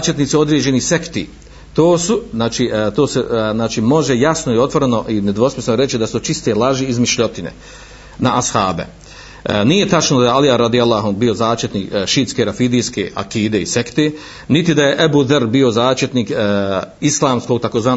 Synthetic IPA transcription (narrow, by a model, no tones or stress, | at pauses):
t͡ʃjet̪niːt̪sio̞d̪ɾeːd͡ʑe̞nise̞kt̪ḭː | t̪oːsuznaːt͡ʃiːt̪oːseznaːt͡ʃiːmo̞ʒe̞jasnoio̞t̪ʋo̞ɾeno̞ʔined̪ʋosmisnoɾe̞t͡ʃid̪asut͡ʃist̪elaʒiːzmiʃʎot̪inḛ | naʔashaːbḛ | nije̞t̪at͡ʃnod̪ajealijaɾad̪ialˠːaɦanbio̞zaːʃt͡ʃet̪niːkʃiːt̪skeɾafid̪iːskḛːa̰kiːd̪e̞ḭse̞kt̪eː | nit̪id̪aje̞ʔebuːd̪aɾbiːo̞zaːʃt͡ʃjet̪niːk | islˠaːmsko̞ːɡ̚t̪akozʋaːn